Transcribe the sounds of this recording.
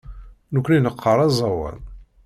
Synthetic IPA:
nukʷːninəqʰːəɾˤɑzˤɑwæ̰n

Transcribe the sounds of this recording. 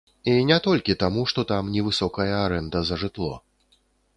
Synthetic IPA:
inʲɛt̪ɔlʲkʲit̪amuʂt̪ɔt̪amnʲɛvɨsɔkɐjɐːɾɛnd̪ɐzɐʐɨt̪lˠɔ

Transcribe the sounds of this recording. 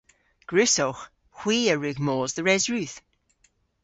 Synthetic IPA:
ɡ̥ɹʉsowx | xw̥iːəɹʉɡmoːzðəɹɛzɹʉθ

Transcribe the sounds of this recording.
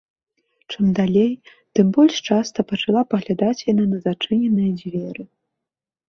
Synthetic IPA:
t͡ʂɨmd̪alʲej | t̪ɨmbɔlʲʂt͡ʂast̪ɐpɐt͡ʂalˠapɐɣlʲad̪at͡sʲjananɐzat͡ʂɨnʲɛnɨjɐd͡zʲvʲɛɾɨ

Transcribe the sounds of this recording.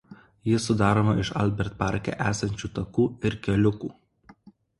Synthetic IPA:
jɪsʊd̪ɑːɾoːmɐɪʃɐ̰lʲbʲɛɾt̪̚pɑˑɾʲkʲɛ̰ʔæːsɐnʲt͡ʃʲuːt̪ɐkuːɪɾkʲɛlʲʊkuː

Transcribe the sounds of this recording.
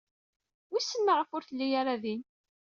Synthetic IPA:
wisːəmːəʁəfʊɾθəlːijaɾaðin

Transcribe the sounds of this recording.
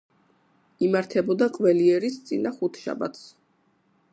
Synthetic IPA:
imaɾt̪ʰɛbɔd̪aqʼwvɛliɛɾist̪sʼinaχut̪ʰʃa̰ba̰t̪ʰs

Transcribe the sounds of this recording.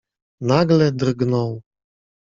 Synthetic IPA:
naɡlɛd̪ɾɡnɔw

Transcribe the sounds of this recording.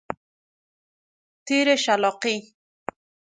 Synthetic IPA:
t̪iɾeʃalɔqi

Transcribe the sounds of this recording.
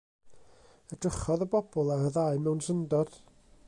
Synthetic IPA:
əd̥rəχɔðəbɔbɔlˠaɾəðaɨmɛwnsəndɔd̥

